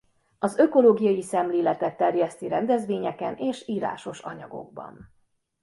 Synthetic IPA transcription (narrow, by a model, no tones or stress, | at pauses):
ɒzø̞ko̞loːɡijɒjisɛmleːlɛt̪ɛt̪ːɛrjɛst̪iɾɛnd̪ɛzʋeːɲɛkɛneːʃiːɾa̰ːʃo̞ʃɒɲɒɡo̞̰ɡ̚bɒ̰n